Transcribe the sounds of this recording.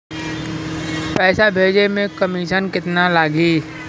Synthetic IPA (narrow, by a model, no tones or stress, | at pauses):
pɛːsabʱeːd͡ʒemẽkəmiːʃənkɪt̪nalaːɡiː